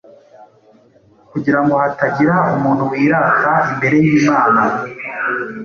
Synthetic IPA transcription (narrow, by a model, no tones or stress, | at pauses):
kuɟiɾaŋɡo̞hataɟiɾaumuːn̥huwiːɾakaimbe̞ɾe̞jiːmaːna